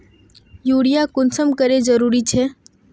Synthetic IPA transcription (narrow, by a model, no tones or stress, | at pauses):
juːɽijakʊnsəmkəɾezəɾuːɾit͡ʃʰeː